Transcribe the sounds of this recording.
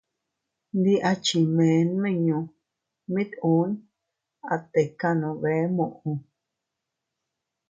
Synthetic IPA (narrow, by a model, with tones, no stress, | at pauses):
nd̪i˧ʔa˧t͡ʃi˧mẽ˨˦nmẽ˦˨ɲũ˧ | mĩ˦t̪ũ˨˦n | a˨˧t̪e˨ka˦nõ˨˧βe˨˦mũ˧˨ʔũ˧